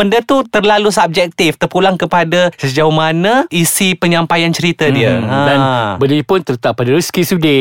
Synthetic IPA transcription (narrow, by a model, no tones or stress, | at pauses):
bəndət̪ut̪ərlalusab̚d͡ʒɛk̚t̪ɪft̪ərpulaŋkəpadasəd͡ʒaumanãisipəɲãmpajant͡ʃəɾit̪adiəadanbəlipʊnt̪ərt̪apːadaɾəskisude